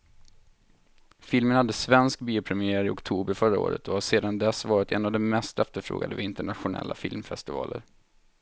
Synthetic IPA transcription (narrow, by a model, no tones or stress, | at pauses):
fɪlmənhad̪ːəsvɛnsk̚biːʊpʰɾɛmɪæːɾaɾɪɔkt̪ʰuːbəɾfœɾao̰ːɾə̰t̪ɔhaseːd̪and̪ɛsːvɑːɾɪt̪ʰɛnavd̪ɛmɛst̪ɛft̪əɾfɾo̰ːɡad̪əvɪnt̪əɳat̪ɧʊnɛ̰lːafɪlmfɛst̪ɪvɑ̰ːləɾ